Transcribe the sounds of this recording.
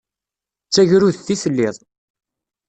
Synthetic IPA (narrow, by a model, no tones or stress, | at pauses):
t͡sːæʝɾuðθiθəlːɪðˤ